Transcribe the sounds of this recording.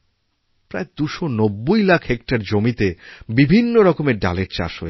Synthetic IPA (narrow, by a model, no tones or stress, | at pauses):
pɾa̰ed̪uʃonobːojlakʰɦekʈaɾd͡ʑomit̪ebibʱinːoɾɔkomeɾɖa̰leɾt͡ɕa̰ʃɦoe